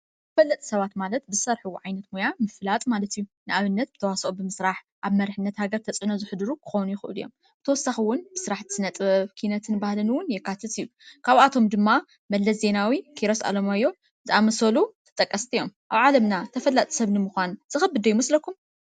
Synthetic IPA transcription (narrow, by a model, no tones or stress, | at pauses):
zɨfɐlːɐt̪ʼi̥sɐβat̪malɐt̪̚bɨzɨsɐɾħuwʕajnɐt̪mojamɨflat̪ʼmalɐt̪ijːunɨʔaβɨnːɐt̪̚bɨt̪ʰɐwasʔubɨmɨsɾaħ | ʔaβmɐɾħɨnːɐt̪haɡɐɾt̪ʰɐt͡sʼʕɨnozɨħɨd̪ɨɾukʰɨ̥xownujɪxɨʔɨ̰lɨ̰jːo̞̰m | b̥ɨt̪ʰɐwɔsːaxiwʊnbɨsɨɾaħt̪ʰɨ̥sɨnɐt̪ʼβɐβkʰinɐt̪ʰɨnbahlɨnwʊnjɛkːat̪ʰɨt̪ɨjːu | kʰaβat̪ʰo̞md̪ɨmːa | mɐlːɐsze̞nawikʰiɾosa̰lomajːo̞ | zɨʔamɐsɐlut̪ʰɐ̥t̪ʼɐkʼːɐst̪ʰijo̞mʔaβʕalɐmnat̪ʰɐfɐlːɐt̪ʼisɐβnɨmuxʷanz̥ɨxɐbɨd̪ɐjumɐslɐkʰːum